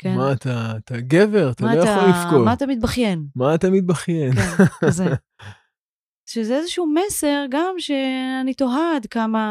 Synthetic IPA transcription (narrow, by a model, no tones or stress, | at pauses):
kemaːt̪ʰaːt̪aɡeve̞ʁat̪alojaolifkomaat̪amit̪̚baχje̞nmaːt̪amit̪̚baχjenze | ʃezeezeʃuumese̞ʁɡamʃeanit̪o̞ɦad̪kama